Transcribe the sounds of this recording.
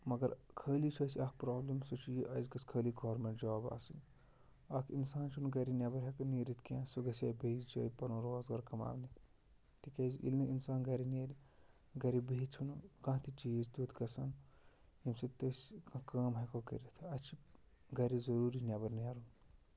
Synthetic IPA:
mɐɡɐɾkʰəːlit͡ʃʰɐːsiɐːk̚pɾoːblimsut͡ʃʰijiʔɐzɡɐskʰəːliɡoːɾmeɳʈd͡ʒɐʋaːba̰ːsin | ɐːkʰinsaːnt͡ʃʰunɡɐɾinʲɐbɐɾɦekɐniːɾit̪ʰkãːsuɡɐseːbeːzd͡ʒɐ̰ːipɐnõːɾoːzɡɐɾkɐma̰ːʋni | t̪ikʲɐːzʔḭlnɐinsaːnɡɐɾineːɾ | ɡɐɾibeɦit͡ʃʰunukɐ̃t̪ʰit͡ʃiːzd̪uːt̪kɐsɐn | jimsit̪ɐskɐ̃kɐːmɦekoɡɐ̰ɾit̪ʰɐt͡ʃʰi | ɡɐɾizɐɾuːɾinʲɐbɐɾnaːɾun

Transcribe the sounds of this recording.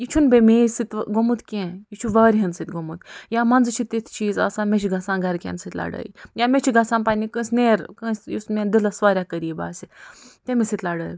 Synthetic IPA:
jit͡ʃʰunbemeːzsɨt̪ɡomut̪ʰkʲẽːjit͡ʃʰuʋɐːɾʲɦɐnsɨt̪ʲɡomut̪jaːmɐnd͡zt͡ʃʰit̪it̪ʰt͡ʃʰiːzɐ̰ːsãːmet͡ʃʰiɡɐsãːnɡɐɾkʲḛːnsɨt̪ʲla̰ːɖə̰ːjjamet͡ʃʰiɡɐsãːnpaːnʲikə̃ːsʲneːɾkə̃ːsʲjusmend̪ilɐsʋaːɾʲakəɾiiba̰ːsit̪ʲemesit̪ʲlaːɖəːjʲ

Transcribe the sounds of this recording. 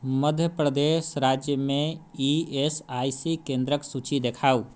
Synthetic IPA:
məd̪ʱjəpɾəd̪esɾad͡ʒjəmẽiesaisikẽnd̪ɾəksut͡ʃid̪ekʰaːu

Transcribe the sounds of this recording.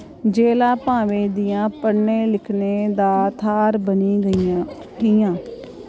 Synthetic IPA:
d͡ʒeːlaːpãːʋeːd̪ɪjãːpəɽneːlɪkʰneːd̪aːt̪ʰaːɾbəniːɡəia | ɦiːjãː

